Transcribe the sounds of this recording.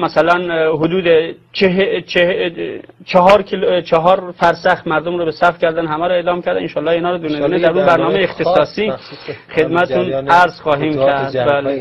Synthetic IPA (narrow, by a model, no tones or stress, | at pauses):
mæsælænɦod̪uːd̪e | t͡ʃʰeet͡ʃʰe | t͡ʃʰɑɦɒːɾkʰt͡ʃʰɑɦɒːɾfæɾsæxmæɾd̪omɾobesæfcʰʲæɾd̪ænɦæmæɾoeːlɒːmcʰæɾd̪æenʃɒːlːɒːinɒːɾod̪uned̪uːned̪æɾunbæɾnɒːmejeext̪ʰesɒːsiːxe̞d̪mæt̪et̪ʰunæɾz̥χɒːɦiːmkʰʲæɾd̪bæːle